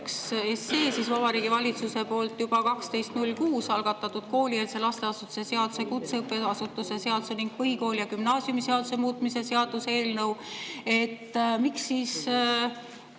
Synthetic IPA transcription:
ksesːe̞ːsisvɑbɑɾiːɡ̥ivɑlʲit̪suse̞po̞ːlt̪ːˑjub̥ɑkɑkst̪e̞jst̪nulʲkuːsɑlɡ̥ɑt̪ːˑɑt̪ːˑud̪̥̚ko̞ːlʲieːlse̞lɑst̪e̞ɑsut̪ːˑu̥se̞se̞ɑd̪̥use̞kut̪seɯpːˑe̞ɑsut̪ːˑuse̞se̞ɑd̪̥u̥se̞niŋɡ̥̚pɤɦiko̞ːljɑkymnɑːsjumise̞ɑd̪use̞muːt̪ˑmise̞se̞ɑd̪̥use̞ːlnɤwe̞t̪ːmiksːiːs

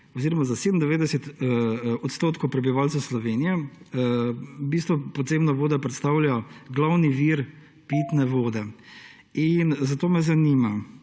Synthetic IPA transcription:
ɔziːɾɔmazaseːd̪ənd̪ɛʋeːd̪ɛsɛt̪ | ɔt̪st̪oːt̪kɔwpɾɛbiʋaːlt͡s̪ɛwslɔʋeːnijɛ | bist̪ʋɔpɔd̪zeːbnɔʋoːd̪apɾɛt̪st̪aːwljaɔɡlawniʋiɾ | pit̪nɛʋoːd̪ɛ | inzat̪oːmɛzanima

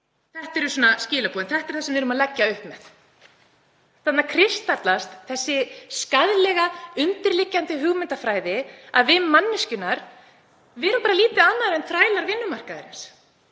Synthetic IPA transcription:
θɛht̪ɛɾʏsɔːnascɪːlapuːðɪnθɛht̪ɛɾ̥θasɛmvɪɾʏmaðlɛcːaʏhpmɛθ | θat̪nakʰɾɪst̪aɾt̪last̪θɛsːɪskaðlɛɣaʏnt̪ɪɾlɪcːant̪ɪɦʏɣmɪnt̪afɾaːjðɪaðvɪmːanːɪscʏnːaɾ | vɛːɾʏmpaːɾaliːt̪ɪanːaðɾɛnfɾaːjlaɾvɪnːʏmar̥kaðɾɪns

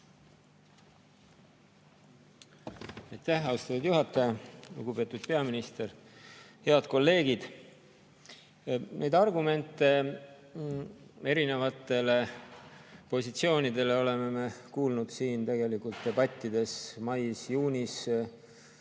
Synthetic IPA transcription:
ɑjt̪æhɑust̪ɑt̪ːud̪̥juɦɑt̪ːˑɑjɑlṵɡ̥ube̞t̪ːˑud̪̥pe̞ɑminist̪e̞rhe̞ɑd̪̥̚ko̞lːe̞ːɡ̥id̪̥ | nejd̪̥ɑrɡume̞nt̪ːˑe̞ | e̞ɾine̞vɑt̪ːˑe̞le̞ | po̞sit̪sio̞ːnid̪e̞le̞o̞le̞me̞me̞kuːlnud̪̥siːnt̪e̞ɡ̥e̞likult̪d̪e̞bɑt̪ʲːˑid̪̥e̞smɑjsjuːnʲis

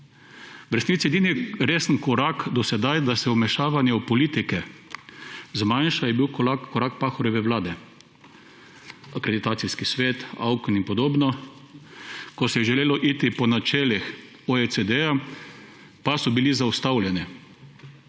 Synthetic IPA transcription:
ʋəɾst̪it̪sjed̪iniɾeːsənkɔɾakd̪ɔsɛd̪ajd̪asɛumɛʃaːʋanjɛupɔliːt̪ikɛ | zmanʃajɛbiwkakɔɾakpaːxɔɾjɛʋɛwlaːd̪ɛ | akɾed̪it̪aːt̪siskisʋeːt̪awkninpɔd̪oːbnɔ | kɔsɛjɛʒɛleːlɔʔiːt̪ipɔnat͡ʃɛːlix | oesed̪ɛja | pasɔbilizaust̪awlʲjɛni

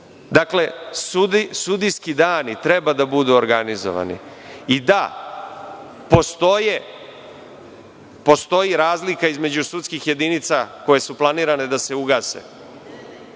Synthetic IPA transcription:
d̪akle̞susud̪ijskid̪aːnit̪ɾebad̪abud̪uoɾɡanizo̰ʋa̰nḭ | id̪a | po̞st̪oje | po̞st̪o̞jiɾaːzlikaizme̞d͡ʑusut̪skixje̞d̪init̪sako̞je̞suplˠaniːɾane̞d̪ase̞uɡaːsḛ

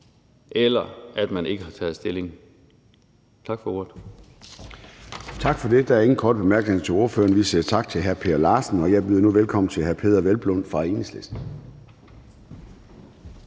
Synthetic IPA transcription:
ʔelɐæd̥mæne̝ɡ̥əɦɑ̈t͡sʰɛð̩ˠsd̥e̝le̝ŋ | t͡sʰɑ̈ɡ̥fɒo̝̰ːd̥ | t͡sʰɑ̈ɡ̥fɒ̽d̥e̝d̥ɑ̈æɐe̝ŋn̩kʰɒːd̥əb̥emæɐɡ̥nehḛt͡sʰe̝o̝ɐfø̰ːɐnʋisḭɐt͡sʰɑ̈ɡ̥̚t͡sʰe̝lɦæɐpʰe̝ːɐlɑ̈ːsn̩ɒ̽jɑ̈b̥iðˠnuʋelkʰɒ̽m̰n̩t͡sʰe̝lɦæɐpʰe̝ːð̞ˠɐʋelb̥lɔn̰fʁɑ̈e̝̰ːneslesd̥

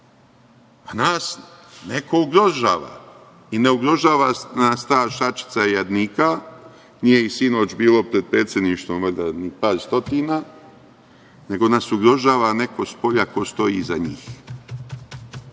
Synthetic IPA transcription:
anaːsnekʰo̞uɡɾo̞ʒa̰ːʋa̰ | ine̞uɡɾo̞ʒaːʋanast̪aːʃat͡ʃi̥t̪saijad̪niːka | nijeisino̞ːt͡ʃbiːlo̞pɾe̞d̪̚pɾe̞ːt̪sje̞d̪niʃt̪ʋomad̪anipaːɾst̪o̞t̪iːna | ne̞ɡo̞nasuɡɾo̞ʒaːʋane̞ko̞spo̞ʎako̞st̪o̞jiːzaɲiːx

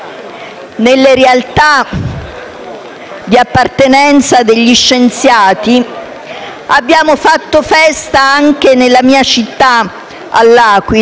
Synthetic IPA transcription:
nelːeɾealt̪a | d̪iapːart̪enɛnt̪sad̪eʎːiʃːent̪sjaːt̪i | abːjaːmofat̪ːofɛst̪aaŋk̟enelːamiːat͡ʃit̪ːa | a̰lːaːkwi

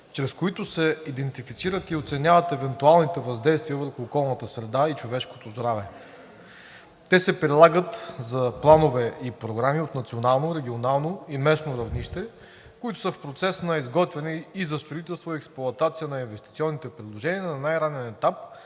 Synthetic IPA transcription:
t͡ʃɾɛskoit̪ʊsɛid̪ɛnt̪ifit̪siɾət̪iot̪sɛnʲavət̪ɛvɛnt̪ualˠnit̪ɛvɐzd̪ɛjst̪viəvəɾxʊːkɔlˠnət̪əsɾɛd̪ait͡ʃovɛʃko̥t̪ozd̪ɾavɛ | t̪ɛsɛpɾilˠaɡət̪zɐplˠanovɛipɾoɡɾamiot̪nɐt̪sionalˠnoɾɛɡʲionalˠnoimɛsnoɾɐvniʃt̪ɛ | koit̪ʊsəfpɾot̪sɛsnɐizɡɔt̪vɛnɛizɐst̪ɾoit̪ɛlˠst̪voiɛksplˠʊɐt̪at̪sijənɐinvɛst̪ʲit̪siɔnːit̪ɛpɾid̪lˠoʒɛniənɐnajɾanɛnɛt̪ap̚

